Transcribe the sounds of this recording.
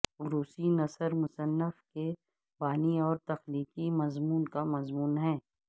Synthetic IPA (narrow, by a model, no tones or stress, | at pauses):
ʊɾuːsinɐsəɾmʊsənːəfke | baːniɔːɾt̪ɐxliːkimɐzmuːnkamɐzmuːnɦɛ̃ː